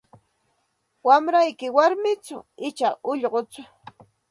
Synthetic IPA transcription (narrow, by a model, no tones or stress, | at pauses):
wamɾajkɪwaɾmɪt͡sʊɪt͡ʃaʊʎɢot͡sʊ